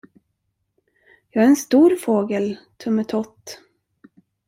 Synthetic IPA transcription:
jɑːɡæɾɛnst̪uːɾfoːɡəlt̪ʰɵmːət̪ʰɔt̪ː

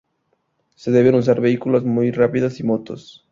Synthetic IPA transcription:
se̞ðe̞βenus̬aɾβe̞ikulozmujrapiðasimot̪os

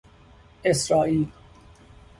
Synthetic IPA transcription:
esɾɒːʔiːl

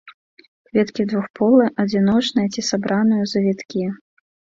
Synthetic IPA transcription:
kvʲɛt̪kʲid̪vuxpɔlˠɨʔɐd͡zʲinɔt͡ʂnɨjɐt͡sʲisabɾanɨjuzɐvʲit̪kʲi

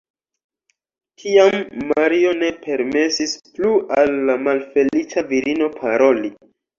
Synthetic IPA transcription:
tʰiamːaɾio̞ne̞pe̞ɾme̞sisplualːamalfe̞lit͡saviɾino̞pʰaɾo̞li

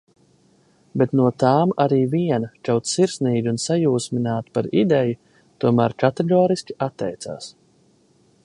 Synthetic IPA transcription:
bet̪nuɔt̪aːmaɾiːviɛnat͡ʃawt̪siɾsniːɡʲiunsajuːsmʲinaːt̪paɾid̪ɛju | t̪uɔmæːɾkat̪ɛɡɔːɾisʲkʲi̥at̪ːɛjt̪sa̰ːs

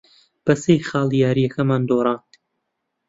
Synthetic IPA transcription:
b̥ɐsejχɑːlˠijaːɾijɐkʰɐmaːnd̪oːɾˤɑːn

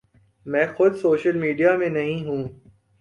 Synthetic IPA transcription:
mɛ̃ːxʊd̪soːʃəlmiːɖijamẽnɐɦĩɦũː

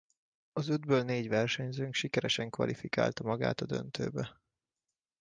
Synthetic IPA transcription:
ɒzyd̪bøːlneːɟʋɛrʃɛɲzøːŋkʃikɛɾɛʃɛŋkʋɒ̰lʔifika̰ːlt̪ɒmɒɡa̰ːt̪ɒd̪ø̞̰nt̪ø̰ːbɛ

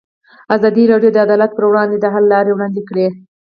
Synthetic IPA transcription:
azɑd̪iɾɑɖjod̪əad̪ɑlat̪̚pəɾwɽɑnd̪ed̪əɦalːɑɾewɽɑnd̪ekɽe

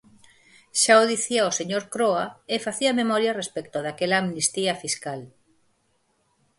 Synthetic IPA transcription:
ʃaoðiθiaoseɲoɾkɾoaefaθiamemɔɾjarespekt̪oðakelaːmnist̪iafiskal

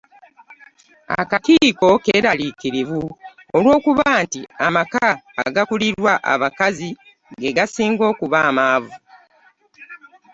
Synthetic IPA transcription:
a̰kakiːko̞ke̞ːɾalikiɾivu | olwo̞ːkuβaːntiamaka̰ːɡakuliɾwaʔa̰βakazi | ɡe̞ɡasiːŋɡo̞ːkuβaːmaːvu

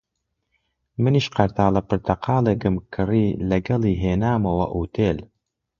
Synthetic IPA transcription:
mɨniːʃqɐɾt̪ʰaːlɐpɨɾt̪ʰɐqʰɑːleːkɨmkʰɨriːlɐɡɐliːɦeːnaːmɐwɐ̰ʔuːt̪ʰeːl

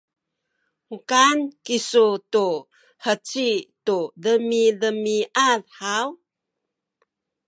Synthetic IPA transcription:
ukankisutu | hət͡situðəmiðəmiʔalhaw

